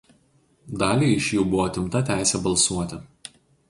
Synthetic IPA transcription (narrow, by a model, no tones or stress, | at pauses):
d̪ɑːlʲiːɪʃʲjuːbʊʋoːt̪ʲɪmt̪ɐt̪ʲæˑɪsʲɛbɐlˠsuɔt̪ʲɪ